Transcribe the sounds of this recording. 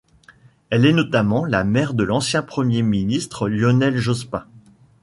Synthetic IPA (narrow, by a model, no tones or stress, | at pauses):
ɛlɛnɔt̪amɑ̃lamɛʁd̪əlɑ̃sjɛ̃pχəmjeminist̪χəljɔnɛlʒɔspɛ̃